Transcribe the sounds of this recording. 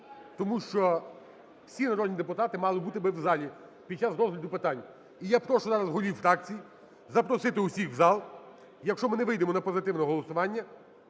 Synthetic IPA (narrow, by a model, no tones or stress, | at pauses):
t̪ɔmuʃt͡ʃɔ | wsʲinɐɾɔd̪ʲnʲid̪epʊt̪ɑt̪ɪmɑlˠɪbut̪ɪbɪwzɑlʲi | pʲid̪̚t͡ʃɑsɾɔzɦlʲɐd̪ʊpɪt̪ɑnʲ | ijapɾɔʃɔzɑɾɐzɦɔlʲiwfɾɑk̚t͡sʲiji | zɐpɾɔsɪt̪ɪʊsʲixzɑlˠ | jɐkʃt͡ʃɔmɪnɛʋɪjd̪emɔnɐpɔzɪt̪ɪwnɔɦɔlˠɔsʊʋɑnʲːɐ